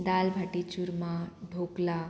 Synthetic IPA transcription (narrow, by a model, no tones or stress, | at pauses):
d̪albʱaʈit͡ɕuɾmãɖʱokla